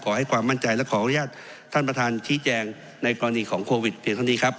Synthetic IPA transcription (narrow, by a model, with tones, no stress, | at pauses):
kʰɔː˩˦ha˥˩jkʰwaː˧mːa˥˩nt͡ɕa˧jlɛ˦˥˩kʰɔː˩˦ʔa˧nu˦jaː˥˩t̪̚ʰː | a˥˩npɾa˧t̪ʰaː˧nt͡ɕʰiː˦˥t͡ɕɛː˧ŋ | na˧jkɔː˧ɾa˧niː˧kʰɔː˩˦ŋkʰoː˧wi˨˩t̪̚pʰiː˧ŋt̪ʰa˥˩ni˦˥kʰa˦˥p̚